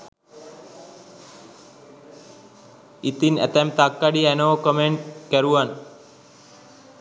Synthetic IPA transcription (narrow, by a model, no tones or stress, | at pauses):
it̪inɛ̰t̪ɛmt̪akːaɖiɛnoːkəmeɳʈkəɾuʋan